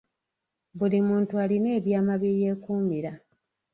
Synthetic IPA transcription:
bulimuːntualine̞ːβjaːmaβjeːje̞ːkuːmbiɾa

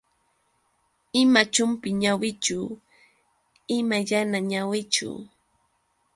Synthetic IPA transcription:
ɪmat͡ʃʊmpɪɲawɪt͡ʃʊ | ɪmaʎanaɲawɪt͡ʃʊ̰

